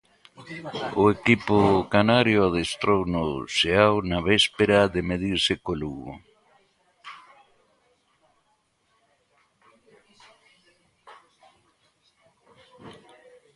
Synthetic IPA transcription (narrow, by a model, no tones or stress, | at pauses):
ʊekipʊkanaɾjʊað̞est̪ɾownʊseawnaβɛspeɾaðemeð̞iɾsɪkoluɣʊ̰